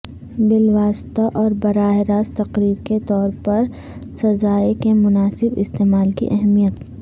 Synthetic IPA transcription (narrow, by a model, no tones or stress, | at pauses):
bɪlʋaːst̪aʔɔːɾbɐɾaːɦɪɾaːst̪ɐqɾiːɾket̪ɔːɾpɐɾ | sɐzaːekemʊnaːsɪbɪ̰st̪eːmaːlkḭʔɛɦmijət̪